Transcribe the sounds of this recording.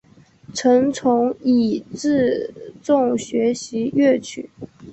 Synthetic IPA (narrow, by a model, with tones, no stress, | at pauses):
ʈ͡ʂʰɤ˧˥ŋt͡sʰʊ˧˥ŋi˨˩ʈ͡ʂɻ̩˥˧t͡sʊ˥˩ŋɕɥɛ˧˥ɕi˧˥ɥɛ˥˩t͡ɕʰy̰˨˩˦